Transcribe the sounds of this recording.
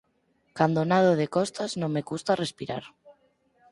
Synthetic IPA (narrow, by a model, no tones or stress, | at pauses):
kand̪onað̞oð̞ekɔst̪aznõmmekust̪arespiɾa̰ɾ